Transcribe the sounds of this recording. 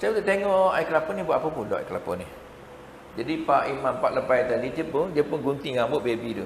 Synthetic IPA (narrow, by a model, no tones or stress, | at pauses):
sajud̪uʔt̪eŋɔʔajklapɔnibuaʔapəpunlɔ̰ʔa̰jklapɔ̰ni | d͡ʒadipaʔimãmpaʔləpajd̪andid͡ʒəʔ̚pʊndiapʊnɡunt̪iŋãmbʊʔbebidu